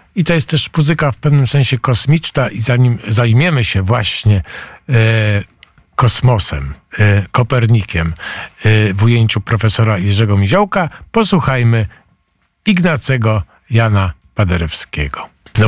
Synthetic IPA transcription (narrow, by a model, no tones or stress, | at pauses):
it̪ɔjɛst̪ːɛʂmuzɘkafpɛvnɘmsɛ̃ɲ̃ɕɛkɔsmʲit͡ʂnaʔizaɲimzajmʲjɛmɘɕɛvwaɕɲɛ | kɔsmɔsɛ̰mkɔpɛɾɲikʲɛm | vujeɲt͡ɕupɾɔfɛsɔɾajɛʐɛɡɔmʲiʑɔwkapɔswuxajmɘ | iɡnat̪sʲɛɡɔ | janapad̪ɛɾɛfskʲɛ̰ɡɔ